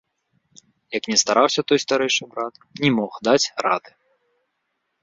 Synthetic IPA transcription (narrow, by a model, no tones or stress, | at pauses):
jɐknʲɛst̪aɾawsʲɐt̪ɔjst̪aɾɛjʂɨbɾat̪ | nʲɛmɔxd̪at͡sʲɾad̪ɨ